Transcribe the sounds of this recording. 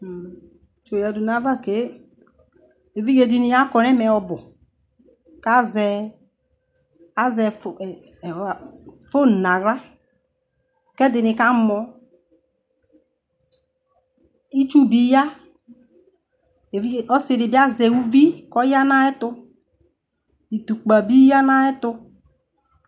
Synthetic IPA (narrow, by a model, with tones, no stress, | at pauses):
t͡ʃo˨ja˨du˨na˦va˦ke˦ | e˨vi˦ɡe˨di˦ni˨ja˦kɔ˨ɾɛ˦mɛ˨ɔ˨bʊ˨ | ka˦zɛ˨ | a˦zɛ˨ | fo˦˨na˨ɣɾa˦ | kɛ˦dɪ˨nɪ˨ka˦mɔ˨ | i˦t͡ʃu˦bi˨ja˦ | e˨i˦˨ɔ˦si˨ɾi˨bi˦a˦zɛ˨u˦vi˦kɔ˦ja˦na˦ɛ˦tʊ˧ | i˨tu˨k͡pa˨bi˦ja˦na˦ɛ˦tʊ˦